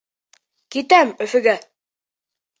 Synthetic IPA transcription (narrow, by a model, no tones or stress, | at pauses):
kit̪amøfiɡa